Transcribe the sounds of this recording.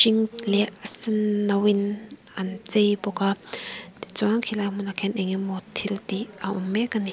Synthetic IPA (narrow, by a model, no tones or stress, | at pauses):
ʃiŋlɛʔasinːawin | ant͡sejbɔkat̪it͡sɔaŋkʰilamunakʰɛnʔɛŋimɔt̪ʰilt̪iaʔumːɛkːani